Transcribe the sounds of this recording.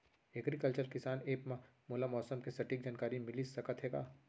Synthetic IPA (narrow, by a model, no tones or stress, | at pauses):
ɛɡɾikəlt͡ʃəɾkɪsaːneːpmã | moːlamɔːsəmkesɐʈiːk̚d͡ʒaːnkaːɾimɪlisɐkət̪ɦeːɡa̰ː